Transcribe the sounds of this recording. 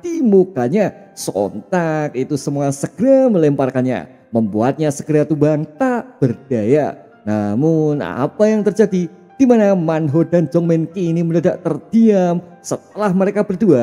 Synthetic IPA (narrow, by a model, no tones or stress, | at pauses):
d̥imokaɲasɔ̰nt̪ak̚it̪usəmuasəɡ̥əɾaməlɛmparkanɲa̰ | məmbuat̪̚ɲasəɡəɾat̪ubaŋt̪ab̥ərd̥aja | namʊna̰pajaŋt̪ərd͡ʒadi | d̥imanamanɦodand͡ʒɔŋmɛnkiniməndadaʔ̚t̪ərd̥iam | sət̪̚əlahməɾekabərdua